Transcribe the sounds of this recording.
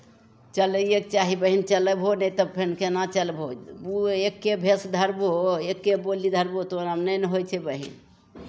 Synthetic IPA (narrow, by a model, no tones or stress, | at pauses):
t͡ʃələek̚t͡ʃaɦibəɦint͡ʃələbʱɦonɛjt̪əb̚pʰenkenat͡ʃəlbʱouekːebʱesd̪ʱəɾboekːebolid̪ʱəɾbot̪onamnəjnɦojt͡ʃʰɛbəɦḭn